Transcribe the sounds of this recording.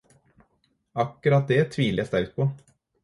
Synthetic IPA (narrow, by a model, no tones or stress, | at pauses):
ɑkːəɾɑt̪̚d̪ɛæt̪ʰʋiːlɪast̪æɾk̚t̪̚pʰɔ